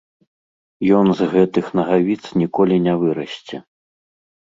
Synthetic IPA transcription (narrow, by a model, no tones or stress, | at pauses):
jɔnzɣɛt̪ɨxnɐɣavʲit̪snʲikɔlʲinʲavɨɾɐsʲt͡sʲɛ